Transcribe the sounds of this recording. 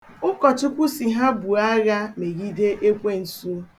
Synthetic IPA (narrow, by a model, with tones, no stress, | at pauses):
ʊ˦kɔ˨t͡ʃʊ˦kʷu˦si˨ɦa˦bu˨a˦ɣa˦me˨ɣi˦de˦ʔe˦kʷe˦n̩˨su˦